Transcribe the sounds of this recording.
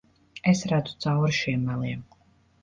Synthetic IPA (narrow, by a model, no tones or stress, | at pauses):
ɛsɾad̪zu̥t̪sawɾʃiɛmːalˠiɛm